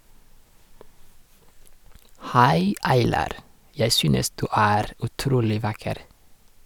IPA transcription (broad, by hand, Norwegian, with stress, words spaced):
ˈhæɪ ˈɑɪlɑɾ ˈjæɪ ˈsyːnəs ˈdʉː ˈæːɾ ʉˈtɾuːlɪ ˈʋɑkəɾ